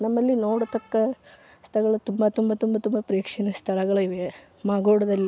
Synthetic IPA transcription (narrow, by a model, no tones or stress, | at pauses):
nɐmːɐlːinoːɽut̪ɐkːɐst̪ʰɐɐɡɐɭɐt̪umbɐt̪umbɐt̪umbɐt̪umbɐpɾɐjɐkʂɐnɐst̪ʰɐɭɐɡɐɭɐiʋe | maːɡoːɽɐd̪ɐlːi